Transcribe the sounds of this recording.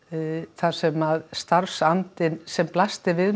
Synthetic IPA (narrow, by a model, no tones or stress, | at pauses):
θaɾ̥sɛmaðst̪aɾfsant̪ɪnsɛmplast̪ɪvɪð